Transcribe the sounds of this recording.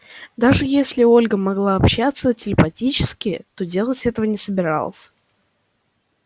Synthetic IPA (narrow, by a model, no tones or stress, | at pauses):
d̪aʐɨjesʲlʲɪo̞lʲɡəmɐɡlˠaɐpɕːat̪sətʲɪlʲɪpɐtʲit͡ɕɪ̥skʲɪt̪o̞dʲe̞lˠətʲɛt̪əvənʲɪsəbʲɪɾɑ̰lˠə̰sʲ